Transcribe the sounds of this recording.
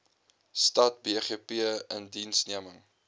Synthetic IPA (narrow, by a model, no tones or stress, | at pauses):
stɐt̚beːχiəpiəəndinsniəməŋ